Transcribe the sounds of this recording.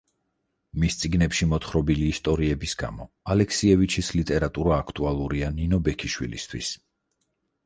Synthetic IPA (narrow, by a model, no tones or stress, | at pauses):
mist̪sʼiɡnɛpʃimɔt̪χɾɔbiliːst̪ʼɔɾiɛbisɡ̥a̰mɔ | alɛkʰsiɛvit͡ʃʰislit̪ʼɛɾat̪ʼuɾaːkʰt̪ʼualˠuɾianinɔbɛkʰiʃwḭlḭst̪ʰwḭs